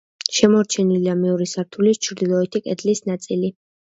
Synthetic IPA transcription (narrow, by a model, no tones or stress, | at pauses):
ʃɛmɔɾt͡ʃʰɛniliamɛuɾisaɾt̪ʰulist͡ʃʰɾd̪ilˠɔɛt̪ʰikʼɛd̪lisnat̪sʼili